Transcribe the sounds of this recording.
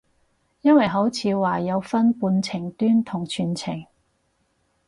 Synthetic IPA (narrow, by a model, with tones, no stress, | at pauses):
jɐ˥nwɐ˨jɦo˨˥wt͡sʰiː˨˧waː˨jɐ˨˧wfɐ˥npuː˧nt͡sʰɪ˨˩ŋt̪yː˥nt̪ʰʊ˨˩ŋt͡ʃʰyː˨˩nt͡sʰɪ˨˩ŋ